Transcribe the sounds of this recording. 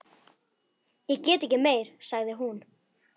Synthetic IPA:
jɛɣcɛːt̪ɛhcɪmeːjɾ̥saɣðɪɦun

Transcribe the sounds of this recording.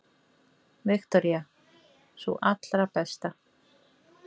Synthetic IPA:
vɪxt̪ɔɾja | sṵʔat̪lɾapɛst̪a

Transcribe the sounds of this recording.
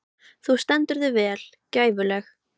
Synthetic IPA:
θust̪ɛnt̪ʏɾðʏvɛːl̥ | caːjvʏlɛx

